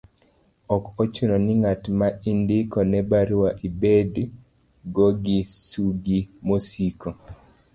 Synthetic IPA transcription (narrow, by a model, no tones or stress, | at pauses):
ɔkɔt͡ʃunɔnɪŋatmaindɪkɔnɛbaɾwaʔibedu | ɡoɡisuɡimosiko